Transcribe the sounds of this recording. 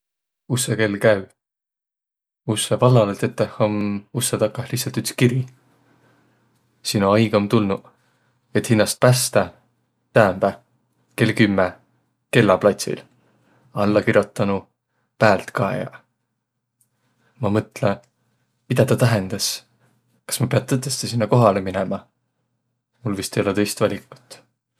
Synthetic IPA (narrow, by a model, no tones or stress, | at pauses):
useke̞lːkæy | usːevɑlːɑlet̪et̪ˑːehomusːet̪ɑkːɑhliçtsɑlt̪yt̪skiɾi | sinoɑjɡ̥ɑmt̪ulnu | et̪hinːɑst̪̚pæst̪ɑ | t̪æːmb̥æ | ke̞lkymːe | ke̞lːɑplɑt̪ʲsḭl | ɑlːɑkiɾjo̞t̪ːˑɑnu | pæːlt̪kɑḛjɑ̰ | mɑmɤt̪ˑle | mid̪̥ɑt̪ɑt̪æɦend̪̥ɑs | kɑ̥smɑpe̞ɑt̪ːɤt̪ːˑest̪esinːɑko̞ɦɑleminemɑ | mulvist̪ejo̞le̞t̪ɤ̞jst̪vɑlʲikːˑu̥t̪ːˑ